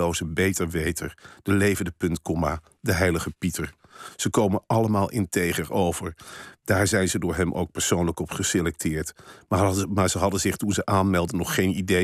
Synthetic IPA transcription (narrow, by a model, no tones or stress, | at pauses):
owzəbejtəɹʋejtʰəɹd̥əlejvəndəpɵntkɔmaː | dəɦɛjləχəpitəɹ | z̥əkowmənʔɑləmaːlˠʔɪntejχəɹowvəɹd̥aːɹzɛjnzədʊːɹɦɛmʔo̰wk̚pɛɹsownləkɔpχəselɛk̚tʰɪːɹtmmaːɹzəɦɑdənzɪχtunzəʔaːnmɛlˠdənɔχːejnide